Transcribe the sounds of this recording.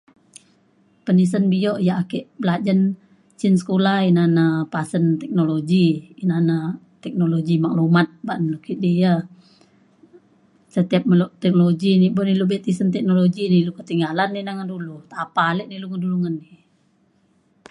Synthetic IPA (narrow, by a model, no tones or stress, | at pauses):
pənis̬ənbijɔʔjaakɛʔbəlad͡ʒan | t͡ʃinsə̥kolahinanapasənt̪ɛk̚noloɡiinana | t̪ɛk̚noloɡimaklumat̪̚baʔnəlukiʔdia | sət̪iap̚məlɔʔt̪ɛk̚nloɡiniboʔnilubɛt̪isənt̪ɛk̚noloɡinilukət̪iŋɡalanːinaŋandulut̪apalɛʔniluŋəduluŋanːi